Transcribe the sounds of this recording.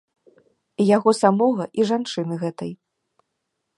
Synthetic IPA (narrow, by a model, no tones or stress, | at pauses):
ijaɣɔsamɔɣɐʔiʐant͡ʂɨnɨɣɛt̪ɐj